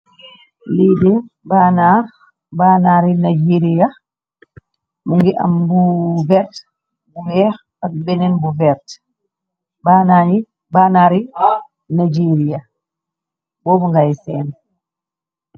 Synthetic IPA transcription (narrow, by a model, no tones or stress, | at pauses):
lidɛ | baːnaɾ | baːnaɾinad͡ʒiɾia | muŋɡiʔa̰mbuvɛɾt | buwɛːx | ak̚bɛnɛnbuvɛɾt | baːnaːɲi | banaːɾi | nad͡ʒiɾia | bɔːbuŋɡajsɛːm